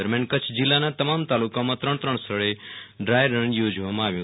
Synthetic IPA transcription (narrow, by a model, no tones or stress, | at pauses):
əɾmjankət͡ʃʰd͡ʒilːanat̪əmamt̪alukamãt̪ɾəɳt̪ɾəɳ̃st̪ʰəɭeɖɾajɾəɳjod͡ʒʋamãaʋjũ